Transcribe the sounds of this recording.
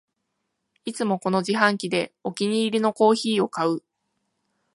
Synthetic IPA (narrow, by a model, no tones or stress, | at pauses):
it͡sɨmo̞ko̞no̞ʑiɦãŋkʲid̪e̞o̞kʲiɲ̟iːɾʲino̞ko̞ːçiːo̞kaɯ̟